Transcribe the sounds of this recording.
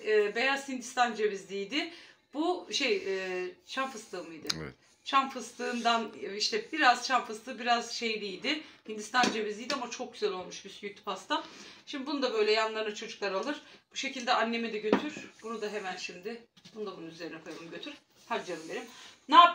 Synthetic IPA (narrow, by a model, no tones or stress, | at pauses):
ɛːbe̞jaz̥hind̪ist̪ʰand͡ʒevizd̪ʲijd̪ɪb̥uʃejɛːt͡ʃʰanfɯst̪ʰˠɯːmɯjd̪ɯ | t͡ʃʰanfɯst̪ɯːnd̪aniʃt̪ʰɛbiɾaz̥t͡ʃʰanfɯst̪ɯːbiɾaz̥ʃejd̪ijd̪ɪhind̪ist̪ʰand͡ʒevizʲijd̪iamat͡ʃʰo̞k̚ɟyzɛlʲo̞lˠmuʃbisyjyt̪ʰpʰast̪ʰaʃimd̪ibunund̪abø̞jlʲɛjanlˠaɾnɯt͡ʃʰod͡ʒuklˠaɾalˠɯɾ̥b̥uʃe̞cilʲd̪ɛʔanːe̞mid̪ɛɟø̞t̪ʰyɾ̥b̥unud̪aɦe̞mænʃimd̪ɪb̥unud̪abununyze̞ɾinɛkʰojmɯmɟø̞t̪ʰyɾ̥ | had͡ʒaɾɯmbe̞ɾimnaːp̚